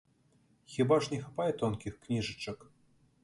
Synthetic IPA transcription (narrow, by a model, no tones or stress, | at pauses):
xʲibaʐnʲɛxapajɛt̪ɔnkʲixknʲiʐɨt͡ʃɨk